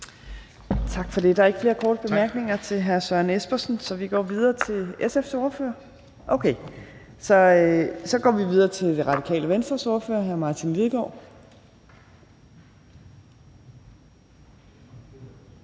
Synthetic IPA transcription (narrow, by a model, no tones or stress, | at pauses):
t͡sʰɑ̈ɡ̥fɒ̽d̥e̝d̥ɑ̈æɐeɡ̥əfle̝ːɐkʰɒ̰ːɾ̥əb̥e̝mæɐɡ̥ne̝ŋɐt͡sʰe̝lɦæɐsɶɐnesb̥ɐsn̩sɒ̽ʋiɡ̥ɒ̰ːʋið̞ˠɐːt͡sʰe̝lesefso̝ːɐfø̰ɐ | ʔoʊkʰe | sɒ̽sɒ̽ɡ̥ɒ̰ːʋiʋið̞ˠɐːt͡sʰe̝ld̥e̝ʁɑ̈d̥ikʰɛ̰ːləʋensd̥ʁɐsoːɐfø̰ːɐɦæɐmɑ̈ːt͡sʰinliðˠɡ̥ɒ̰ː